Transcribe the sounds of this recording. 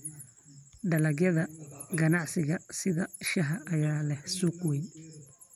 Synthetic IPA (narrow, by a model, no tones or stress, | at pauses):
ɖɐlɐɡjɐðɐɡɐnɑʕsɪɣɐsɪðɐʃɐɦɐʔːjaːlɛhsukwɛj